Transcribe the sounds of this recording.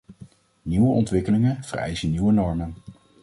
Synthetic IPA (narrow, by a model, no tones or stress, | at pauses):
niwəʔɔntʋɪkəlɪŋəv̥ərɛ̰jzəniwənɔɹmən